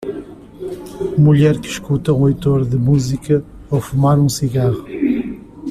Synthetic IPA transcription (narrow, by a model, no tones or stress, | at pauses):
muʎɛɾkɨʃkut̪ɐũojt̪oɾðɨmuzikɐ | owfumaɾũsiɣaʁu